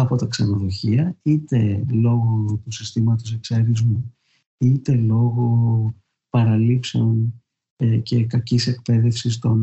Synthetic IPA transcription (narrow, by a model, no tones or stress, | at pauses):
ɐpo̞t̪ɐksɐnoðo̞çiɐit̪e̞lo̞ɣo̞t̪usist̪imɐt̪o̞se̞kseɾizmu | it̪e̞lo̞ɣo̞ | pɐɾɐlipse̞on | ce̞kɐcise̞k̚pe̞ðe̞fsist̪o̞n